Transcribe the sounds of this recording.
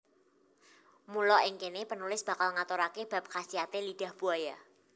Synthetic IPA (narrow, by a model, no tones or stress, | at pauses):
mulɔʔɪŋkenepənulɪsb̥a̤kalŋat̪oɾakeb̥a̤p̚kasiɦat̪eliɖ̥a̤hb̥uaja